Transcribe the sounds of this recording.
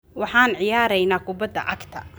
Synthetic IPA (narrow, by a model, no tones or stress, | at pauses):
wɑħɑːnʕɪjaːɾɛjnaːkʰʊbɐd̪ːɐ̰ʔɐɡt̪ʰɐ̰